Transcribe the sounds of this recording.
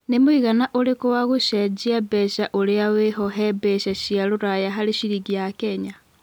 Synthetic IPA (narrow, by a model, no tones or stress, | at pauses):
nemoiɣanaʔoɾekowaɣoʃɛd͡ʒiabɛʃaʔoɾeaweɦɔɦɛbɛʃaʃiaɾoɾajaɦaɾeʃiɾiɣiakɛɲa